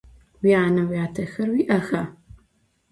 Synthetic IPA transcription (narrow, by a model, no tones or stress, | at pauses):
wiaːnɐwjaːtʰɐxɐrwiːʔɐxɐ